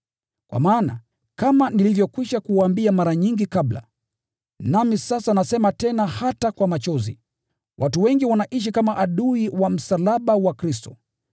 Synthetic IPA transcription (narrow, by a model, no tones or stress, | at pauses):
kwʔa̰maːna̰ | kamanilivjɔkwiʃakuwaambiamaɾaɲiŋɡikabla̰ | namisasanasɛmatɛnahatakwamat͡ʃɔzḭ | wʔatuwɛŋɡiwanaʔiʃ̬ikamaʔaɗuiwam̩salaɓawakɾis̬tɔ